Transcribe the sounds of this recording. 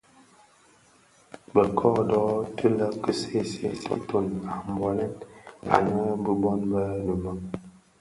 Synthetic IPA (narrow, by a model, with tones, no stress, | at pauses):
bə˨kʰɔː˦dɔ˦tə˦lə˦kə˦se˦sḛ˦sḛ˦to˨na˨m˨bɔ˨lɛ˦na̰˨nə˦bə˦bɔ˦nbə˦nə˨mə˨ŋ